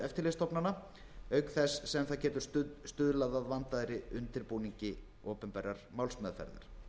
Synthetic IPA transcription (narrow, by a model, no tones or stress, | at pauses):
ɛft̪ɪlɛst̪ɔpnana | œɥkθɛsːɛmθaðcɛːt̪ʏ̥ɾ̥st̪ʏðlaðaðvant̪aðɾɪʏnt̪ɪɾpuːniɲcɪ | oːpʏnpɛːɾaɾ̥mawlsmɛðfɛ̰ɾða̰ɾ̥